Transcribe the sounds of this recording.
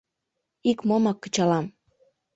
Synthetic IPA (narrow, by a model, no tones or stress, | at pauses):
ikmomɑkːə̥̆t͡ɕɑlɑm